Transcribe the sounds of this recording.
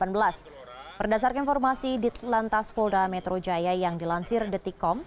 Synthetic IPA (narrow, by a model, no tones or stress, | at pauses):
anbəlas | b̥ərdas̬arkainfɔrmasidit̪lant̪aspɔldamɛt̪ɾod͡ʒajajaŋdilansɪrdət̪ikɔm